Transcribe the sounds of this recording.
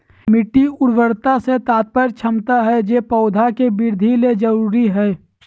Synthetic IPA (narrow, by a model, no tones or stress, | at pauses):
mɪʈːiʊɽʋəɽt̪aset̪aːt̪̚pəɾt͡ʃʰɐmt̪aɦɛd͡ʒeːpɔːd̪ʱakebɪɾd̪ʱiled͡ʒɐɾuːɾiɦɛː